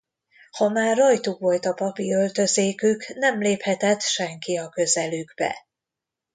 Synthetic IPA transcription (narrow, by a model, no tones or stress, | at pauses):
hɒmaːrːojt̪ukʋo̞lt̪ɒpɒpiø̞lt̪ø̞zeːkyknɛmleːphɛt̪ɛt̪ʃɛŋkiɒkø̞zɛlyɡbɛ̰